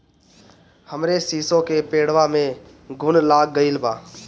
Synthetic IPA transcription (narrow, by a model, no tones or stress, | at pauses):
həmɾesiːsõkepeːɽ̤ʋamẽ | ɡʱʊnlaːɡ̚ːəilbaː